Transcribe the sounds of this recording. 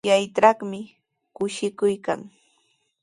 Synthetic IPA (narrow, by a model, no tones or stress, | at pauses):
jajʈ͡ʂaχmɪ | kʊʃɪkʊjka̰ŋ